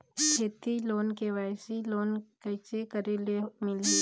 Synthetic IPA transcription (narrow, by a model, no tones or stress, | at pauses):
kʰeːt̪iloːnkeʋaːɪsiloːnkɐt͡ʃekəɾelemɪli